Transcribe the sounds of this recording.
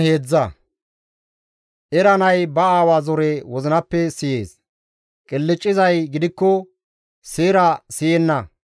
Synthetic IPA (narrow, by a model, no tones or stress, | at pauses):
he̞ːd͡zːɐ | ʔɛɾɐnɐjbɐaːwaːzɔɾewɔzɪnɐpːɛsɪjeːs | kʼɪlːɪt͡ʃʼːɪzɐjɡɪd̪ɪkːɔ | seːɾɐsɪjɛnːɐ